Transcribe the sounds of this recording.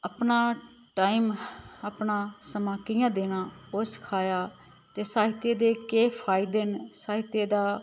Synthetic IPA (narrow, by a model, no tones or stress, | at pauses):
əpnaː | ʈaːiːməpnãːsəmãːkɪjãːd̪eːñãːʊskʰaːjaː | t̪eːsaːɦɪt̪eːd̪eːkeːpʰaːɪd̪eːnsaːɦɪt̪eːd̪aː